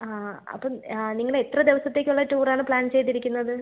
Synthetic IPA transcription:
aːɐ̰pːoniŋːɐɭet̪rɐd̪eʋɐsɐt̪ːe̞ːkʲːuɭːɐtuːraːɳɨpɭaːnt͡ɕe̞jt̪ːiɾikʲːunːɐðɨ

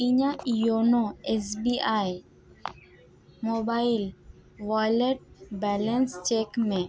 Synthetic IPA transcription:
iɲãjonoes̬biaj | mobail | ʋajleʈ̚bɛlɛnst͡ʃekmẽ

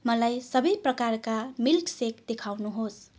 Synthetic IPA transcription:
mʌlajsʌbʌjprʌkarkamilksekd̪ekʰawnuɦos

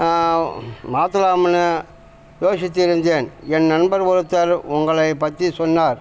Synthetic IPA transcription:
maːt̪ːɯlaːmɐnɐ | joːʂɪt̪ːɪɪɾɯnd̪eːnɛnnɐnbɐɾʋɔɾɯt̪ːɐɾʊŋɡɐɭɐɪpːɐt̪ːrisɔnːaːɾ

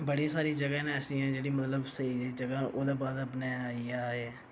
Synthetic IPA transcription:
bəɽisaːɾiːd͡ʒəɡãːnẽːəsĩjãːd͡ʒeːɽiːmət̪ləbsəiːd̪eːd͡ʒəɡãːʔoːd̪aːbaːd̪əpnaːaːiːaːɦeː

